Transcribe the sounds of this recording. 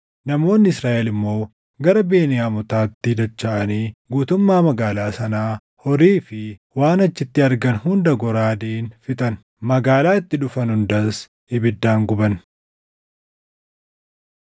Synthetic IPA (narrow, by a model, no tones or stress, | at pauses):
nɐmo̞ːnːɪɪsɾaːʔɛlɪmːo̞ː | ɡɐɾɐbeːnɪjaːmʊt̪aːt̪ːɪd̪ɐt͡ʃːaʔɐniːɡuːt̪ʊmːaːmɐɡaːlaːsɐnaː | hɔɾiːfɪwaːnɐt͡ʃːɪt̪ːɪɐɾɡɐnhʊnd̪ɐɡɔɾaːd̪iːnfɪt̪ʼɐn | mɐɡaːlaːɪt̪ːɪᶑʊfɐnhʊnd̪ɐs | ɪbɪd̪ːaːŋɡʊbɐn